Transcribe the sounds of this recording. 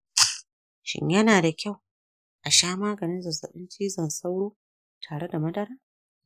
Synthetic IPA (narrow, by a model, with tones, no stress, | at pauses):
ʃɪ̰˦ɲjɐ˦naː˨da˨kʲa˦˨w | ʔa˨ʃaː˦maː˦ɡɐ˨nɪ˦nzɐ˨sɐ̰˨ɓɪ˦nt͡ʃiː˦zɐ˦˨nsa˦wɽoː˦ | tʰaː˨ɽe˦da˨mɐ˦dɐ˦ɾaː˦